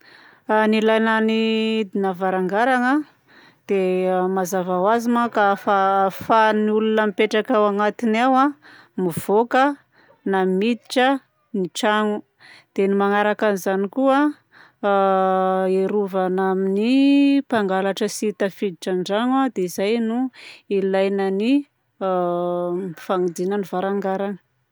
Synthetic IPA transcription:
anilajnanid̪inavaɾaŋɡaɾaŋə | d̪̥emazavawazimakafafaniulunəmipeʈ͡ʂakawaŋat̪inawa | miv̥okə | namid̪i̥ʈ͡ʂə | niʈ͡ʂaŋu | d̪̥enimaŋaɾakanizanikua | eɾuvanaminipaŋɡalaʈ͡ʂəsit̪afid̪iʈ͡ʂanɳɖ͡ʐaŋad̪eizajnuilajnani | faŋud̪inənivaɾaŋɡaɾani̥

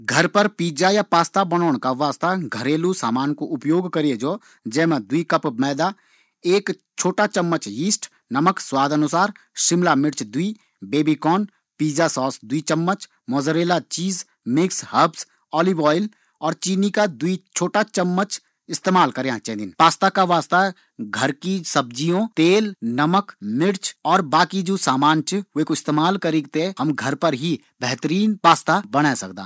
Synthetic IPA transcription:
ɡʱəɾpəɾpiːd͡ʒajapaːst̪abəñɔːɳkaʋaːst̪aɡʱəɾeːlusaːmaːnkoʊpjoːɡkəɾied͡ʒoː | d͡ʒɛːmãd̪ʊikəpmɛːd̪a | eːk | t͡ʃʰoːʈat͡ʃəmːət͡ʃiːsʈ | nəməkswaːd̪ənʊsaːɾ | ʃɪmlamɪɽt͡ʃd̪ui | beːbikɔːn | piːd͡ʒasɔːsd̪uit͡ʃəmːət͡ʃ | mɔːzəɾeːlat͡ʃiːz | mɪkshəbs | ɔːliʋɔːɪl | ɔːɾt͡ʃiːnikad̪uit͡ʃʰoːʈat͡ʃəmːət͡ʃ | ɪst̪eːmaːlkəɾejãt͡ʃɛ̃ːd̪ɪnpaːst̪akaʋaːst̪a | ɡʱɐɾkisɐbd͡ʒijõt̪eːlnɐməkmɪɾt͡ʃɔːɾbaːkid͡ʒoːsaːmaːnt͡ʃʊekoɪst̪eːmaːlkəɾẽːɡt̪eɦɐmɡʱɐɾpəɾɦi | bɛɦt̪əɾiːnpaːst̪abəɽasɐ̰kd̪ã̰ː

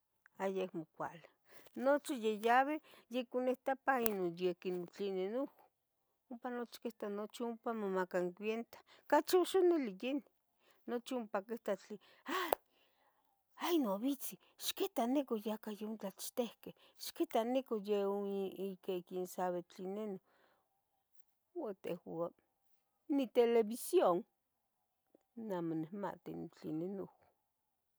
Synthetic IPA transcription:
ajekmokʷa̰li | not͡ʃijejaβejekuneht̪apainonjekinot͡ɬinenuk | umpanot͡ʃi̥keht̪anot͡ʃiumpamomakaŋkʷwjent̪ḁkat͡ʃoʃonelijeni | not͡ʃiumpakeht̪at͡ɬi | aj | ajnoβit͡si | ʃket̪anekojakajunt͡ɬat͡ʃt̪ehkeh | ʃket̪anekojeoikekinsaβet͡ɬineno | wat̪ḛhwa | nit̪eleβisjoŋ | namonehma̰t̪init͡ɬinenowa

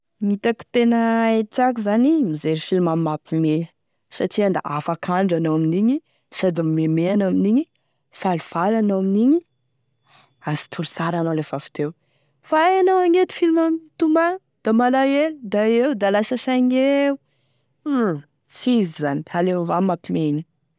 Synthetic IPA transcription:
mit̪aki̥t̪enəet͡sak̬izanimizeɾufilimammapime | saʈ͡ʂiand̪a̰afakʰaɳɖ͡ʐanowaminiɲi | sad̪immemeanaminiɲi | faluv̥alanowaminiɲi | asi̥t̪ʰuɾusaɾanolefafi̥t̪ew | faajanawaŋet̪i̥filimamit̪uma | d̪̥amalajelud̪aewd̪alasəsaŋeu | sizizanialevamapimeiɲi

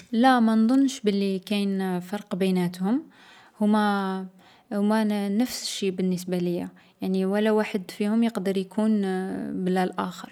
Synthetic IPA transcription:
læmænd̪ˤʊnːʃbəlːikæjnfɑɾˤqbənæt̪hʊm | hʊmːæ | hʊmːænəfsʃibənːəs̬baləjːa | jaʕniwəlːæwaħəd̪fihʊmjəqd̪əɾjkunbəlːælʔæxəɾˤ

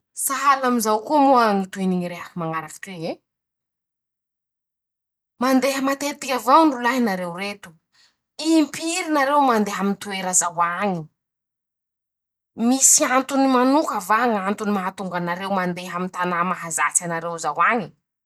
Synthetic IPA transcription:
saɦalamizawkumoaŋit̪ueniɲiɾeakimaŋaɾaki̥ʈ͡ʂee | mand̪eɦəmat̪et̪ikʲavawɳɖ͡ʐulaɦinaɾewret̪u̥ | iimpiɾinaɾewmand̪eɦamint̪ueɾazawaɲi | misiant̪unimanukavaŋant̪unimaɦat̪uŋɡanaɾewmand̪eɦamint̪anamaɦazat͡sanaɾewzawaɲi

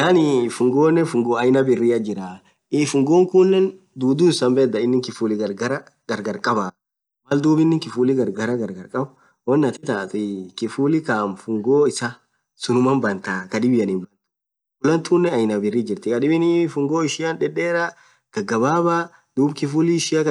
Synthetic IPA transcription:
nanɪfʊŋɡoːnːɛfʊŋɡoːɐjnɐbɪrːɪɐd͡ʒɪɾaː | ɪfʊŋɡoːŋkʊnːɛn | d̪uːd̪uːsɐmbɛd̪ɐɪnːɪŋkɪfuːlɪɡɐɾɡɐɾɐ | ɡ̥ɐɾɡɐɾkʼɐba | mɐld̪uːbɪnːɪŋkɪfuːlɪɡɐɾɡɐɾɐɡɐɾɡɐɾkʼɐbɐ | wɔnːɐt̪ɪt̪aːt̪ɪkɪfuːlɪkaːmfʊŋɡoːɪsɐ | sʊnʊmɐnbɐnt̪aːkɐᶑɪbɪjɐnɪmbɐnt̪ʊ̥ | ʊlɐnt̪uːnːɛɐjnɐbɪrːid͡ʒɪɾt̪ɪkɐᶑɪbɪnɪfʊŋɡoːɪʃɪjɐnᶑɛᶑeːɾɐ | ɡ̥ɐɡɐbaːbaː | d̪̥uːbkɪfuːlɪɪʃɪjakɐ

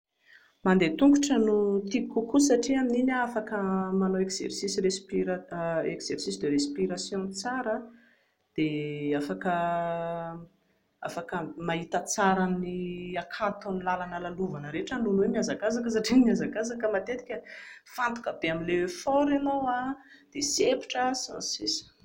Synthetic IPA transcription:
mand̪et̪uŋkuʈ͡ʂənut̪ikukusaʈ͡ʂiamininafakəmanoekz̥ersisirespiɾaekz̥ersisd̪əɾespiɾasjõt͡saɾə | d̪̥eafakə | a̰fakəmaɦit̪ət͡saɾaniakʰat̪unilalanəlaluvanəɾeʈ͡ʂanunwemiazakazakəs̬aʈ͡ʂimiazakazakəmat̪et̪i̥kʲəfant̪u̥kəbeamilewefɔɾelowa | d̪̥esepi̥ʈ͡ʂəsã̰sis

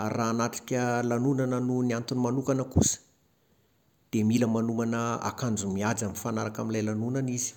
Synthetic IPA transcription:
raːnaʈ͡ʂi̥kʲəlanunanənunant̪unmanukanəkusə̥ | d̪̥emiləmanumanəa̰kand͡zumiad͡zamifanaɾakaminlajlanunanizi̥

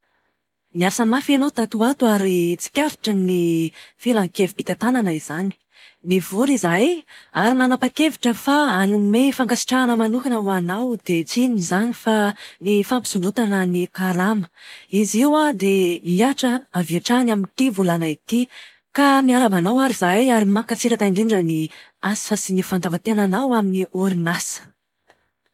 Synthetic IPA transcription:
miasamafenot̪at̪uat̪uaɾit͡si̥kʲaɾi̥ʈ͡ʂənifilaŋkeviit̪at̪ananəiz̥ani̥ | nivuɾizajaɾimanapakeviʈ͡ʂəfaanumefaŋɡasi̥ʈ͡ʂaanəmanukanawanawd̪̥et͡sinizanifanifampi̥sulut̪anənikalamə̥iziwad̪eiaʈ͡ʂəaviaʈ͡ʂanamint̪ivulanait̪i | kamiaɾamanawaɾizajaɾimakət͡siɾat̪ainɖ͡ʐ̪iɳɖ͡ʐəniasi̥fasinifand̪avat̪eananawaminiuɾinasə̥

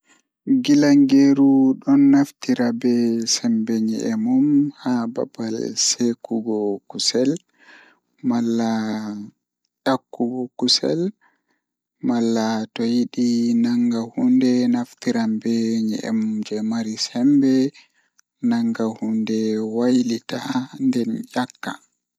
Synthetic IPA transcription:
ɡilaŋɡeɾuɗɔnːaftiɾabɛsɛmbɛɲɛ̰ʔɛmumhaba̰balsekuɡɔkusɛl | malːa | jakːuɡɔkusɛ̰l | malːatɔjiɗinaŋɡahundɛnaftiɾambɛɲɛ̰ʔɛ̰mumd͡ʒɛmaɾisɛmbɛ | naŋɡahundɛwajlitandɛnjakːa̰

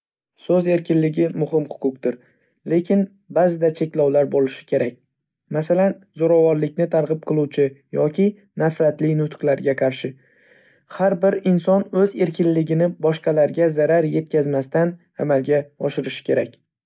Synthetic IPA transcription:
sɵze̞ɾkʲɪnlɪɡʲɪmʊɦɪmhʊ̥qʰʊqt̪ɪɾ | le̞kʲɪn | bazɪd̪at͡ʃʰe̞kʲlɒwlaɾbolɪʃɪ̥kʲʰe̞ɾakʲ | masalanzoɾavɒɾlɪkʲnɪt̪ʰaɾʁɨp̚qʰɨlˠuwt͡ʃʰɪjɒkʲɪ | nafɾat̪lɪnʊt̪qlˠaɾɡʲaqʰɑɾʃɪ | haɾbɪɾɪnsɒnɵze̞ɾkʲʰɪnlɪɡʲɪnɪbɒʃqɑlaɾɡʲazaɾaɾje̞t̪̚kʲazmast̪an | amalɡʲaɒʃɪɾɪʃɪ̥kʲʰe̞ɾakʲ

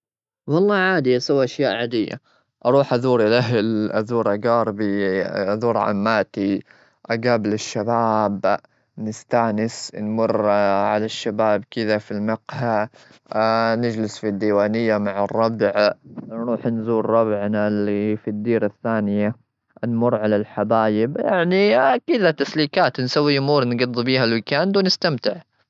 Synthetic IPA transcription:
wɑlˤːɑːʕaːd̪ɪjasawʔaʃjaːʔʕaːd̪ɪjːa̰ | ʔɑɾˤuːħʔaðuːɾilaɦlʔaðuːɾʔaɡɑːɾˤbiʔaðuːɾʕa̰mːaːt̪i | ʔaɡaːbɪlɪʃːabaːb | nɪst̪aːnɪsnmʊrːʕalaʃːabaːbkɪðafilmɪqha | nɪd͡ʒlɪsfid̪ːiːwaːnɪjːamaʕɑrˤːɑbʕɾˤuːħnzuːɾɾˤɑbʕnalifid̪ːiːɾaθːaːnɪja | nmʊrˤːʕalalħabaːjɪbjaʕnikɪðat̪asliːkaːt̪nsawːiʔʊmuːɾnɡɑd̪ˤːbiːɦalwɪkaːnd̪wnɪst̪amt̪ɪʕ

